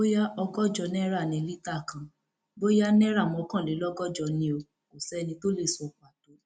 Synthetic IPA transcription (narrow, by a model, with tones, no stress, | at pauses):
o˦ja˦ʔɔ˧ɡɔ˦d͡ʒɔ˧nɛ̃˦ɾa˦˨nĩ˧˨˧li˦ta˦˨kã˨ | bo˦ja˦nɛ̃˦ɾa˦˨mɔ̃˧kã˦˨le˨˦lɔ˦ɡɔ˦d͡ʒɔ˧nĩ˧o˧ | ko˨sɛ˦nĩ˧to˦le˦˨sɔ˧˨k͡pa˨to˨˦